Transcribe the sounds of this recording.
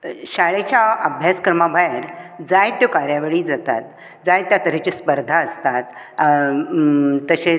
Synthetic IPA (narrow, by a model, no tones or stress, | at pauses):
ɕaɭet͡ɕaəbʱjaskɾəmabʱajəɾd͡zajt̪ːjɔkaɾjaʋeɭiːd͡zat̪a̰t̪̚ | d͡zajt̪ːjakəɾet͡ɕespəɾd̪ʱaəst̪at̪ | t̪əɕe